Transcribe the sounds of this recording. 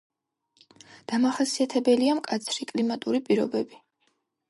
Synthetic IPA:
d̪̥amaχasiat̪ʰɛbɛliamkʼat̪sʰɾikʼlimat̪ʼuɾipʼiɾɔ̰bɛbi

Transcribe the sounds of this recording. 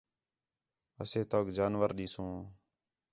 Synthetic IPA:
əseːt̪oːɡd͡ʒaːnʋəɾɗiːsõː

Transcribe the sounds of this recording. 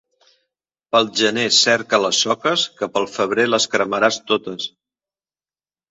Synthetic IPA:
pəlˠʒənesɛɾkələsːɔkəskəpəlˠfəβ̞ɾeləskɾəməɾast̪ot̪əs

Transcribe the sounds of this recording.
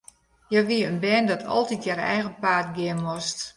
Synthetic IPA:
jɛʋiəənbɛːndɔtʰɔ̰lˠtitjɛrɛ̰jɣənpaːtɡɪənmɔst

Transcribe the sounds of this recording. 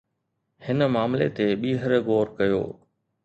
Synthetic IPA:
hɪnəmaːmlḛt̪eɓiːɦəɾɡoːɾkɐjo̰ː

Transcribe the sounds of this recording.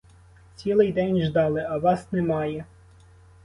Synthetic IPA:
t͡sʲilˠɪjd̪ɛnʲʒd̪ɑlˠɪɐʋɑsnɛmɑjɛ

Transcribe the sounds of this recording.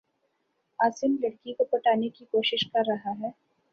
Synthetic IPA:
aːsɪmlɐɽkikopɐʈaːnekikoːʃɪʃkɐɾːɐɦaɦɛː

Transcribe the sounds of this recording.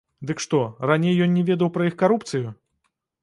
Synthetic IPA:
d̪ɨkʂt̪ɔranʲejːɔnːʲɛvʲɛd̪ɐwpɾɐixkaɾupt̪sɨju

